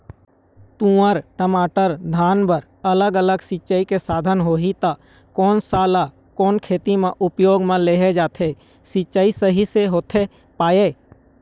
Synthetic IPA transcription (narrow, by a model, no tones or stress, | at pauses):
t̪ũːəɾʈəmaːʈəɾd̪ʱaːnbəɾ | ələɡələɡsɪt͡ʃaːikesaːd̪ʱənɦoːɦit̪a | kɔːnsaːla | kɔːnkʰeːt̪imẽʔʊpjoːɡmẽleːɦed͡ʒaːt̪ʰe | sɪt͡ʃaːisəɦiseɦoːt̪ʰe | paːe